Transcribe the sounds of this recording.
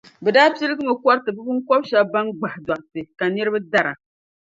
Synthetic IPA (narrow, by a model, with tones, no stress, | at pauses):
bɛ˨daː˦pi˦lɨ˦ɡɨ˦mɨ˨kʷɔ˦ɾtɨ˨bɨ˦bɨ˦ŋkɔ˦bʃa˦ba˦nɡ͡ba˨hda˨ʔtɨ˨ka˨nɨ˦ɾɨ˦ba˦da˦ɾa̰˨